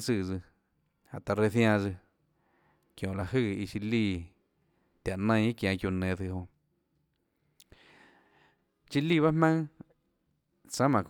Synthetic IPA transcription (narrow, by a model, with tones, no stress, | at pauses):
t͡sɨ˧˨d͡zɨ˧ | a˨ʔt̪a˨ɾe˧θj̃ã˧d͡zɨ˧ | kjõ˨la˨hɨ˦˧˨i˧t͡ʃi˧li˧˨ | t̪ʲja˨ʔnə̃˧j̃i˦kjã˧kju˧˨nẽ˨t͡sɨ˧ɦõ˧ | t͡ʃi˧li˦˧˨βa˦hmã˦ŋ | t͡sã˦mã˨k